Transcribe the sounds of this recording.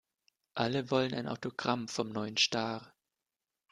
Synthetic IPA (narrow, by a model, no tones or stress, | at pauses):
ʔaləvɔləna̰ɪnʔa̰ʊtoɡ̥ʁamfɔmnɔʏənʃtaːʁ